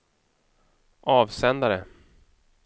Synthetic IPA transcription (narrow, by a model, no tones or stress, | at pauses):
ʔɑːvsɛnd̪aɾə